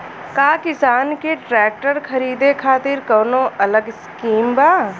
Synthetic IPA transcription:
kaːkɪsaːnkeʈɾɛːk̚ʈəɾkʰɐɾiːd̪ekʰaːt̪ɪɾkɔːnõʔɐləɡskiːmbaː

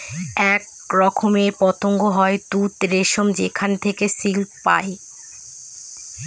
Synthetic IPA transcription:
ɛk̚ | ɾɔkʰomepɔt̪oŋɡoɦɔet̪ut̪ɾeʃomd͡ʑekʰant̪ʰekesilpa̰e

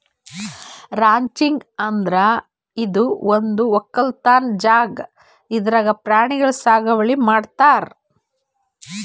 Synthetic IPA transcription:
ɾaːɲt͡ʃiŋɡɐnd̪ɾɐ | id̪uond̪uɔkːɐlt̪aːnd͡ʒaːɡ | id̪ɾaːɡɐpɾaːɳiɡɐɭsaːɡɐʋɐɭimaːɖt̪aːɾ

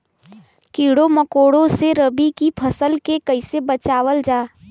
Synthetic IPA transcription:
kiːɽoməkoːɽõseɾəbikipʰɐsəlkekɐɪsebɐt͡ʃaːwəld͡ʒaː

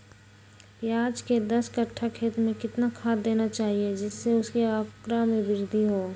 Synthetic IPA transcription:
pjaːd͡ʒked̪ɐskɐʈʰːakʰeːt̪mẽkɪt̪nakʰaːd̪̚d̪eːnat͡ʃaːɦied͡ʒɪsːeʊskiakɾamẽbɪɾd̪ʱiɦoː

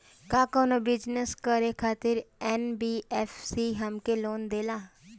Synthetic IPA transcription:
kãːkoːnõːbɪd͡ʒnəskəɾeːkʰaːt̪ɪɾɛːnbiːɛːfsiːɦəmkeːloːnd̪eːlaː

